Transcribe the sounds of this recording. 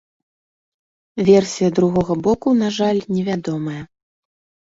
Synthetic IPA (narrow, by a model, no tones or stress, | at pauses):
vʲɛrsʲijɐd̪ɾuɣɔɣɐbɔkunaʐalʲnʲɛvʲad̪ɔmɐjɐ